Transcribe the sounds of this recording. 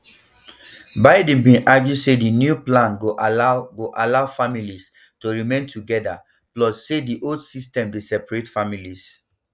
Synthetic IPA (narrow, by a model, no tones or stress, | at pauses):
baɪdĩmbĩnʔaɡjusedinjuplãnoɡoʔalaʊfamilis | toɹimẽntʰuɡɛda | plɔsːediʔoldsistɛ̃mdesɛpaɹetfamilis